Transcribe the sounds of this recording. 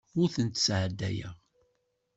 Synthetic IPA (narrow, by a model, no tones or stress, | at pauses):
ʊɾθənt̪ə̥sʕəd̪ːæ̰jə̰ʁ